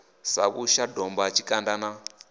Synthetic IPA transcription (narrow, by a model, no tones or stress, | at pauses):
sa̰kuʃadʱɔmbat͡ʃʰikandana